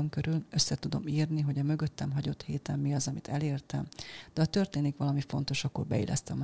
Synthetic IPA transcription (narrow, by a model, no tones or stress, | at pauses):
oŋkøɾylø̞sːɛt̪ud̪o̞̰miːrniɦo̞ɟɒmø̞ɡø̞t̪ːɛmɦɒɟo̞t̪heːt̪ɛmːiɒzɒmit̪ɛleːrt̪ɛmd̪̥ɛɒt̪ø̞rt̪eːnikʋɒlɒmifo̞̰n̪t̪o̞ʃɒkːo̞̰rbɛ̰ḭlʔɛ̰st̪ɛm